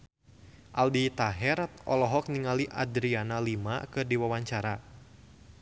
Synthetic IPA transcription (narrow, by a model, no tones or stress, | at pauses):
ʔaldit̪aɦɛɾat̪ɔlɔɦɔk̚niŋaliʔa̰d̪ɾianalima̰kɨrdiwawaɲt͡ʃaɾa